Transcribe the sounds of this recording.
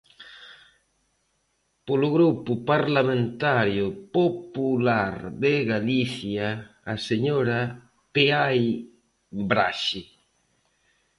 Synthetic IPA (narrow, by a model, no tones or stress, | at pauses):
polʊɣɾupʊpaɾlamẽnt̪aɾjʊpopulaɾðeɣaliθjaː | seɲoɾa | peaj | bɾa̰ʃi